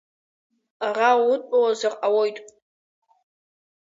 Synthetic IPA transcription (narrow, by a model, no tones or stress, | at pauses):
arawʊtʷʼawazarʔawojtʼ